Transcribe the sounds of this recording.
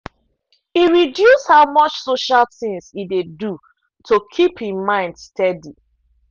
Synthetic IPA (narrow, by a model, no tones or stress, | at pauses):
iɹidjushaʊmɔt͡ʃsoʃalθĩŋsidedu | tʰokʰiphĩmãɪ̃ndstɛdi